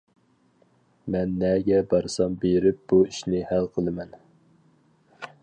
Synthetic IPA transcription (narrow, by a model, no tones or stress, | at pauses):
mɛnːɛɡʲɛbɑɾsɑmbeɾɪp̚b̥uiʃnɪhælqʰəlˠɨmɛn